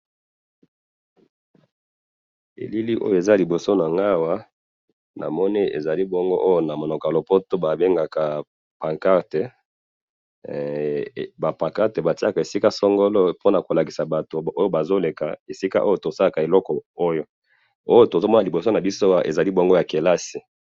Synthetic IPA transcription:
ḛ˨li˦li˦ʔo̰˦jo˦˨e˨za˦li˨bo˨so˦na˨ŋɡa˦wa˦ | nʔa̰˨mɔ˦ni˦ḛ˨za˨li˦bo˦ŋɡo˦ʔo˦jo˦na˨mo˨nɔ˨ka˨lo˨po˦to˦ba˨be˦ŋɡa˨ka˨ | pã˨ka˦ʁte˨ | ba˨pã˨ka˦ʁte˨ba˨ti˦a˦˨ka˨e˨si˦ka˦sɔ˦ŋɡo˦lo˦po˦na˨ko˨la˨ki̥˨sa˨ba˨to˨o˦jo˦ba˨zo˦le˨ka̰˨e˨si˦ka̰˦ʔo˦jo˦to˨sa˦la˨ka˨e˨lɔ˦kɔ˨o˦jo˦ | o˦jo˦to˨zo˦mɔ˦na˨li˨bo˨so˦na˨bi˦so˦wa˦ʔe˨za˨li˦bo˦ŋɡo˦ja˨ke˨la˦si˨

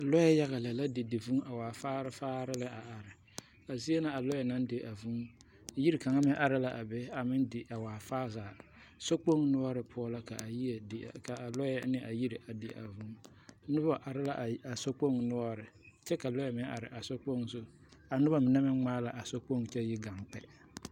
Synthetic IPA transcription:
lɔ˦jɛ˦ja˦ɣa˨la˨la˦dɪ˨dɪ˨vu˦ŋa˨waː˨faː˦ɾɪ˦faː˦ɾɪ˦lɪ˦a˨a˨ɾɪ˨ | a˨zi˦ɛ˦na˨a˨lɔ˦jɛ˨na˦n˦dɪ˨ʔa˨vu˦˨ | ji˦ɾi˨ka˨ŋa˦mɛ˦ʔa˨ɾɪ˨˦la˨ʔa˨bɛ˦a˨mɪ˦ndɪ˨ʔa˨waː˨faː˦zaː˨ | so˦k͡po˦ŋnʊ˦ɔ˦ɾɪ˨pʰʊ˦ɔ˦la˦ka˨jka˨a˨lɔ˦jɛ˦nɪ˦ʔa˨ji˦ɾi˨ʔa˨dɪ˨ʔa̰˨vu˦ŋ | nʊ˦ba˨ʔa˨ɾɪ˦la̰˦ʔa˨so˦k͡po˦ŋnʊ˦ɔ˦ɾɪ˨t͡ʃɛ˦ka˨lɔ˦jɛ˨˦mɛ˦ʔa̰˨ɾɪ˨ʔa˨so˦k͡po˦ŋsʊ˦ | a˨nʊ˦ba˦mɪ˨nɛ˦mɪ˦ŋ͡maː˦la˨ʔa˨so˦k͡po˦ŋt͡ʃɛ˦jɪ˦ɡa˨ŋk͡pɛ̰˨

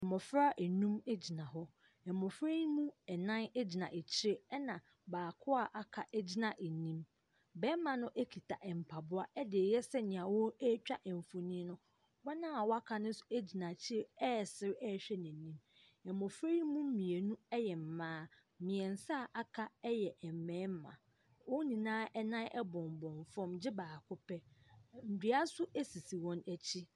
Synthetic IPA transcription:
ɛ˨mɔ˨fɾa˦ʔe˨nũ˦me˦d͡ʑi˨nã˨ɦɔ˦ | ɛ˨mɔ˨fɾe˦jmũ˦ɛ˨nã˦n˦d͡ʑi˨nã˨ʔe˨t͡ɕʰɪ˦e˦ɛ˦nã˨ | baː˨kʰʊ˦a˦˨ʔa˨kʰa˨ʔɛ˦d͡ʑi˦nã˨ʔe˨nĩ˦m | bɛ˦mã˨nʊ̃˦ʔe˦kʰi˨tʰa˨ʔɛ˨m̩˨pʰa˨bʊ˦a˦ɛ˦dɪ˨e˨jɛ˦sɛ˦ɲɪ̃˨ã˨wɔ˦ɛ˦t͡ɕᶣa˦ʔɛ˨m˨fo˨nĩ˦nʊ̃˦ | wa˦nã˦a˨wɔ˦a˦kʰa˨nʊ̃˦n̩˦sʊ˨e˦d͡ʑi˨nã˨t͡ɕʰɪ˦ɾe˦ɛ˦˨sɪ˦ɾɛ˦˨ɕᶣɛ˦nɪ̃˨nĩ˦m | ɛ˨mɔ̃˨fɾe˦i˦mũ˦m̩˦mĩ˨e˨nũ˦ɛ˦jɛ˨m̩˨mãː˦ | mɪ̃˨ɛ̃˨n̩˨sa˦˨ʔa˦kʰa˦ɛ˦jɛ˨ʔɛ˨m˨mɛ̃ː˨˦m˦mã̰˨ | wɔ˦nĩ˨nãː˦ʔɛ˦nã˦ʔɛ˦bɔ̃˨m˨bɔ̃˨ɱfɔ̃˦md͡ʑɪ˦baː˨kʰʊ˦pʰɛ˦n̩˨di˨˦a˦sʊ˦e˦si˨si˨wɔ̃˦næ˨t͡ɕʰi˦

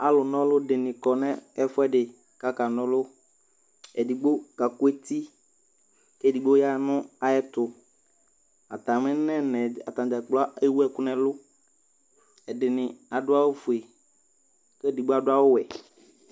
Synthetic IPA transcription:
a˨lʊ˨nɔ̃˦lʊ˦dɪ˨nɪ̃˨kɔ˨nɛ̃˦ɛ˨fʊ˦ɛ˦dɪ˨ | ka˨ka˨nɔ̃˦lʊ˦ | ɛ˨di˨ɡ͡bo˦ka˨kʊ˦e˦t̪i˦ | kɛ˦˨di˨ɡ͡bo˦ja˦nʊ̃˦a˨jɛ˦t̪ʊ˨ | a˨t̪a˨mɪ̃˦nɛ̃˦nɛ˨a˨t̪ã˨d͡ʒa˨k͡plɔ˦a˦e˦wu˦ɛ˨kʊ˦nɛ̃˦lʊ˦ | ɛ˨dɪ˨nɪ̃˨a˨dʊ˦a˦wʊ˦fu˨e˨ | kɛ˦di˨ɡ͡bo˦a˦˨dʊ˦a˦wʊ˦wɛ˨

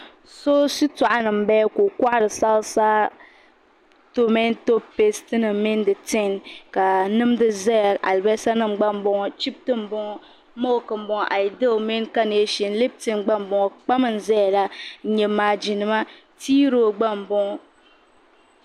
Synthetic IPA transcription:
so˦si˦ta˨ʔa˦nɨ˨m̩˨˦bɛ˦ko˨ka˦ʔa˦ɾɨ˨sa˦lsaː˦ | to˦mɛ˦n˦to˦pe˦stɨ˦nɨ˨m˨mi˦n˦dɨ˨tɪ˦nka˨nɨ˦m˦dɨ˦zɛ˦˨a˨lbɛ˦sa˦nɨ˦mɡ͡ba˦m˨˦bɔ˨ŋɔ˨t͡ʃi˦b̚tɨ˦m̩˨bɔ˦ŋɔ˦ | mo˦˨kɨ˨m̩˨˦bɔ˨ʔa˨ji˨de˦˨mi˦nka˦ne˨e˦ʃi˨n̩˦le˦b̚tɨ˦nɡ͡ba˦m˨bɔ˨ŋɔ˨k͡pa˦mɨ˦˨n̩˨zɛ˦ja˨la˦ɲɛ˨maː˨d͡ʒi˨nɨ˨ma˦ | tiː˦ɾoː˦ɡ͡ba˦m˨bɔ˦ŋɔ˦

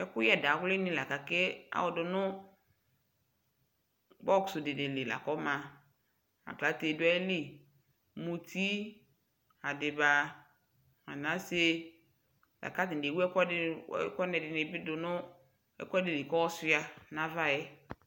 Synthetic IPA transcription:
ɛ˨kʊ˦ja˨da˨wʊ˦lɪ˦nɪ̃˦la˨ka˨ke˦a̰˨wɔ˨dʊ˨nʊ˦ | bɔ˦kʊ̥˨sʊ˨dɪ˨dɪ˨lɪ˨la̰˨kɔ˦mã˨ | a̰˨kla˨˦te˨dʊ˦ɛ˦lɪ˦˨ | mu˨ti˦ | a˨dɪ˨ba˨ | a̰˨nã˨˦se˦ | la̰˨ka˦tɪ˨de˨wu˦ɛ˦kɔ˦kɔ˦nɛ˨dɪ˨nɪ˨bɪ˦dʊ˨nʊ˦ | ɛ̰˨kɔ˦ɛ˦dɪ˨lɪ˨kɔ˦wɔ˦sʊ˦a˨nã˨va˦jɛ˦

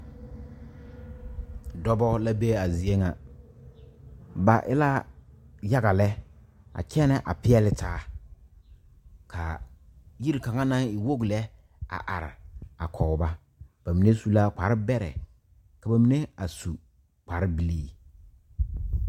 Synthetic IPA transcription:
dɔ˦bɔ˦la˦be˦a˨zi˨e˦ŋa˨ | ba˨ʔɪ̰˦la˦ | ja˦ɡa˨lɛ˦ | a̰˨kɛ˦nɛ˨ʔa̰˨pɪ˦ɛ˦lɪ˦taː˦ | kʰa̰˨ji˦ɾi˨ka˨ŋa˦na˦ŋɪ˨wo˦ɡlɛ˦ | a̰˨ʔa˨ɾɪ̰˨a˨kʰɔ˨ba˦ | b̥a˨mi˨ne˦su˦la˦k͡pa˨ɾɪ˦bɛ˦ɾɛ̰˨ | ka˨ba˨mi˨˦ne˦a˨su˨ | k͡pa˨ɾɪ˦bi˨liː˦

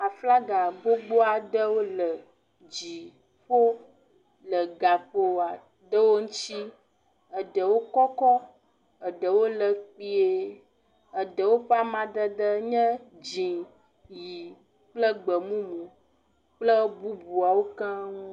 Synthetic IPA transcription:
a˨fla˦ɡa˨ɡ͡bo˦ɡ͡bo˦a˨ɖə˦wo˦lə˨ | d͡ʒi˨ | ɸo˦ | lə˨ɡa˨ɸo˦˨a˨ | ɖə˦wo˦ŋũ˦t͡ʃi˦ | ə˨ɖə˨wo˦kɔ˦kɔ˦ | ə˨ɖə˨wo˦lə˨k͡pi˦e˦ | ə˨ɖə˨wo˦ɸa˦mã˨ɖə˦ɖə˦ɲɛ̃˦d͡ʒĩ˨ | ji˨ | k͡plə˦ɡ͡bə˨mũ˦mũ˨ | k͡plə˦bu˦bu˨a˨wo˦ka˦ŋũ˦

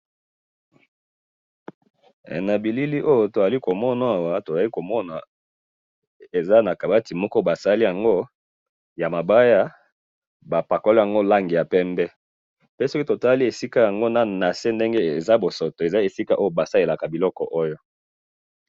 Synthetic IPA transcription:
na˨bi˨li˦li˦ʔo˦jo˦to˨a˨li˦ko˨mɔ˦na˨a˨wa˨to˨za˨li˦ko˨mɔ˦na˨ | e˨za˦na˨ka˨ba˦ti˨mɔ˦kɔ˦ba˨sa˦li˦ja˨ŋɡo˦ | ja˨ma˨ba˦ja˦ | ba˨pa˨ko˦lo˦ja˨ŋɡo˦la˦ŋɡi˨ja˨pɛ˦mbɛ˦ | pe˦sɔ˦ki˦to˨ta˦li˦e˨si˦ka˦ja˨ŋɡo˦na˨na˨se˦nde˦ŋɡe˦e˨za˦bo˨so˨to˨e˨za˦e˨si˦ka˦ʔo˦jo˦ba˨sa˦e˨la˨ka˨bi˨lɔ˦kɔ˨ʔo˦jo˦

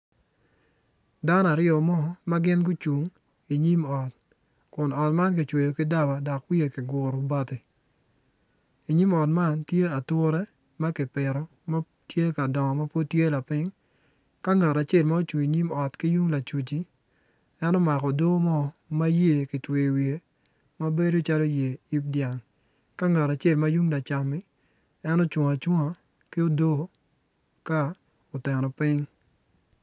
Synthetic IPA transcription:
da˦na˨ɾɪɔ˨mɔ˦˨˦ma˦ɡɪ˦nɡʊ˦t͡ʃu˨ŋ | i˨ɲi˦mɔ˨t̚ | kʊ˨nɔ˨tma˦nk̬ɪ˨t͡ʃwe˨jo˨kɪ˦da˦ba˨dɔ˨kwi˦e˨kɪ˨ɡwʊ˨ɾɔ˨ba˦tɪ˨ | i˨ɲi˦mɔ˨tma˦ntje˦a˨tʊ˦ɾɛ˦ | ma˦kɪ˨pɪ˨ɾɔ˨ | ma˦ | tje˦ka˨dɔ˨ŋɔ˨ma˦po˦tje˦la˨pɪ˦ŋ | ka˦ŋa˨ɾa˨t͡ʃe˦˨lma˦o˦t͡ʃu˨i˨ɲi˦mɔ˨tki˦ju˦ŋla˨t͡ʃu˨t͡ʃi˦ | ɛ˦nɔ˦ma˨kɔ˨do˦mɔ˦ma˦je˦˨kɪ˨twe˨wje˨ | ma˦be˦do˦t͡ʃa˦lo˦je˨i˦p̚dja˨ŋ | ka˦ŋa˨ɾa˨t͡ʃe˦˨lma˦ju˦ŋla˨t͡ʃa˨mɪ˦ | ɛ˦no˦t͡ʃwo˨ŋa˨t͡ʃwo˦ŋa˨ | kɪ˦o˦do˦ | ka˦ | o˨tɛ˨nɔ˨pɪ˦ŋ

